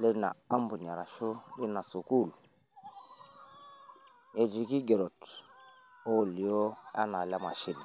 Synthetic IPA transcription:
li˦na̰˨a˦mbu˨ɲ˨a˨ɾa˨ʃu˦li˦na˨su˨ku˦˨l | je˨d͡ʒi˨ki˦ɡe˨ɾo˨t | o˦˨li˨jo˦a̰˦na˨la˦ma˨ʃi˦l

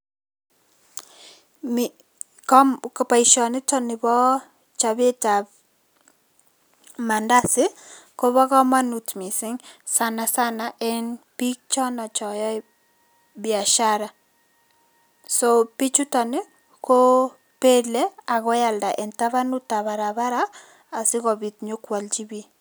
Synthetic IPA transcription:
mi | kɔmkɔ˨pa˨iʃɔ˨nɪ˦tɔnɪ˨bɔ˦ | t͡ʃa˨bɪ˦ta | ma˨nda˦sɪ˦ko˦βɔ˦kɔ˦ma˦nutmi˨sɪ˦ŋsana˨sa˦naʔɛ˦npi˦k̚t͡ʃɔ˦na˨t͡ʃɔ˨jɔ˦ɪ | bɪa˨ʃaɾa˨ | sopɪ˦t͡ʃu˦tɔ˨nɪ˦ | ko˦ | pe˦le˦a˨kɔ˦ja˨lda˨ʔɛ˨nta˦βa˦nu˦ta˨βa˨ɾa˨ba˦ɾaː˨ | sɪ˦kɔ˨bi˨t̚ɲokwa˨ld͡ʒi˦bi˦

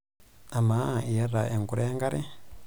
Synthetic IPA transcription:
a˨ma˨˦˨ʔi˨ja˦ɾa˨ʔe˨ŋɡu˨ɾa˦ja˦ŋɡa˦ɾɛ˦

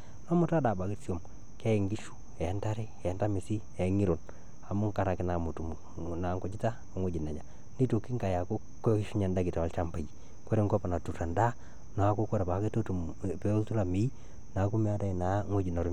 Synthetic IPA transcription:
nɔ˦mʊ˦ta˦da˨ba˨ki˦si˦o˨m | kɛ˦˨ŋɡi˦ʃu̥˦ | ɛ˨˦nta˦ɾi˦ɛ˨˦nta˦mi˨si˦ | ɛ˨˦ŋi˦ɾo˨n | a˨mu˦ŋka˨ɾa˨kɪ˨˦na˨mu˨tu˨m˨ | na˨˦ŋkɔ˨t͡ʃi˦ta˦˨ŋo˦d͡ʒi˨nɛ˨ɲa˨ | ni˦to˨ki˦ŋka˨ja˨ku˦ | kːɔ˦ki˦ʃu˦ɲa˨nda˦kɪ˨ta˨a˨lt͡ʃa˦mpa˨ji˨ | ko˦ɾi˦ŋkɔ˦pa˨na˨tu˨ta˨nda˦ | na˨˦ku˦ko˦ɾa˨ba˨˦ke˦to˦tu˨ | pe˦o˦tu˦la˨mi˦i˦ | na˨˦ku˦mi˦a˦da˨i˨na˨ŋwo˦d͡ʒi˨na˨ɾu˦m

